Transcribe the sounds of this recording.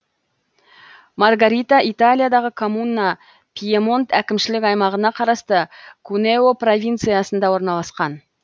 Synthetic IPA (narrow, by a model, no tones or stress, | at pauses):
mɑrɡaɾʲit̪aʔit̪alʲijad̪ɑʁəkʰo̞munːɑ | pʰʲijemo̞nt̪ʰækʲɪmʃɪlɪkʲɑjmɑʁənɑqʰɑɾɑst̪əkʰuneopro̞vʲijnt̪sɨjasənd̪ɑwo̞ɾnɑlˠɑsqɑn